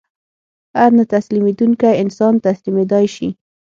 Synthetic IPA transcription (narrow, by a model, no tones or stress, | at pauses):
haɾnat̪aslimed̪uŋkajɪnsɑnt̪aslimed̪ɑjʃḭ